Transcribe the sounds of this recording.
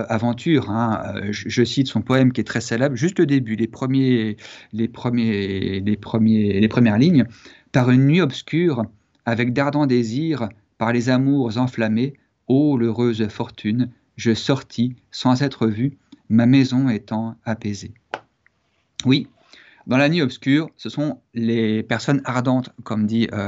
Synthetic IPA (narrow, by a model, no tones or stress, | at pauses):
avɑ̃t̪ʰyʁɛ̃ø̰əʒəsit̪sɔ̃pɔɛmkʲiɛt̪χɛsalablʒyst̪ləd̪ebylepχəmjelepχəmjelepχəmjelepχəmjɛʁliɲ | paʁynːɥiɔpskʲyʁ | avɛk̚d̪aʁd̪ɑ̃d̪eziʁ | paʁlezamuʁzɑ̃flame | oløʁøzfɔʁt̪ʰyn | ʒəsɔʁt̪ʰisɑ̃zɛt̪χəvymamɛzɔ̃et̪ɑ̃apeze | wi | d̪ɑ̃lanɥiɔpskʲyːʁsəsɔ̃lepɛʁsɔnaʁd̪ɑ̃t̪kɔmd̪iø